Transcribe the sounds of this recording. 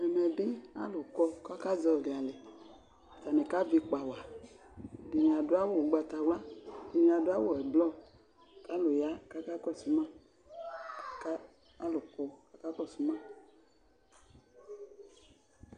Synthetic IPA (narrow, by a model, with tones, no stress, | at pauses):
ɛ˨mɛ˨ɖi˦a̰˦lo˨kɔ˧ka˦ka˦zɔ˧˨li˨a˨le˨ | ta˨ne˨ka˦vi˧k͡pa˨wa˨ | di˨nĩ˨a˨dʊ˦a˦wo˦˨ɡ͡ba˧t̪a˨ɡ͡bla˦di˨nĩ˨a˨dʊ˦a˦wo˦˨ɛ˨blɔ˦˨ | ka˨˦lo˨ja˦ka˦ka˦kɔ˦˨su˨˦mã˦˨˦ | kaː˦ | lo˨kɔ˧ka˦ka˦kɔ˦˨su˨˦mã˦˨